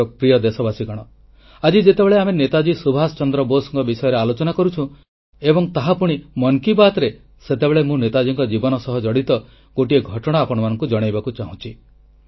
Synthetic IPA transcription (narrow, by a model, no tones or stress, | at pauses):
ɔkɾijɔd̪esɔbasikɔɽ̃ɔ | ad͡ʒid͡ʒet̪ebeɭeamenet̪ad͡ʒisubʱasɔt͡ʃɔnd̪ɾɔbosɔŋkɔbisɔjɔɾealot͡ʃɔnakɔɾut͡ʃʰũ | ebɔŋt̪aɦapuɽ̃imɔŋkibat̪ɾe | set̪ebeɭemũnet̪ad͡ʒiŋkɔd͡ʒibɔnɔsɔɦɔd͡ʒɔɽit̪ɔ | ɡ̥oʈieɡʱɔʈɔɽ̃aːpɔɽ̃ɔmanɔŋkud͡ʒɔɽ̃ajbakut͡ʃaɦũt͡ʃʰi